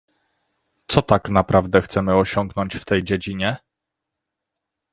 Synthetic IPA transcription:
t̪sɔt̪aknapɾavd̪ɛxt̪sɛmɘɔɕɔŋɡnɔɲt͡ɕft̪ɛjd͡ʑed͡ʑiɲɛ

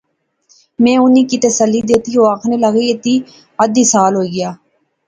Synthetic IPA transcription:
mɛ̃ːʊniːkiːt̪əsəlːiːd̪eːt̪iːɦoːaːkʰneːləɣiːɪt̪iː | əd̪iːsaːlɦoːiːɡɪjaː

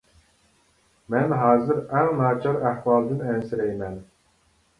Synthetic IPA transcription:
mɛnɦɑːzɨɾɛŋnɑːt͡ʃʰɑɾæhwɑːlˠd̪ɨnɛnsɪɾɛjmɛn

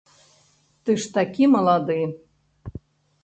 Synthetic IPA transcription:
t̪ɨʃt̪akʲimɤlˠɑd̪ɨ

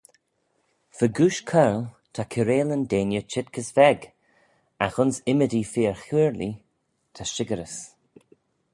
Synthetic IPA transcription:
fəɡuːʃkʰɛɹl | t̪ʰakʰəɾeːləndeːnjət͡ʃʰɪt̚kʰəsvɛɡ | axʊnsɪmədiːfiːɹxuːɹli | t̪ʰaʃɪɡəɾəs

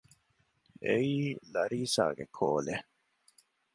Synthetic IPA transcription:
eiːlɐɾiːsa̰ːɡekʰoːle

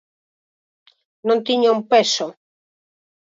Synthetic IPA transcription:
nõnt̪iɲaumpeso

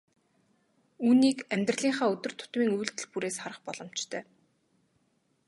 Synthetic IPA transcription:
uːniːkæmʲt̪r̆ɮiːɴŋχaːʊt̪ɵ̆r̥t̪ʰʊ̥t̪miːŋujɮt̪ɘ̆ɮpuɾeːsχaɾə̆χpɔɮɞ̆m̥t͡ɕt̪ʰœː

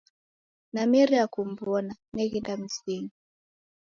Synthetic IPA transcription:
namɛɾiakum̩bɔnanɛɣindam̩siŋi

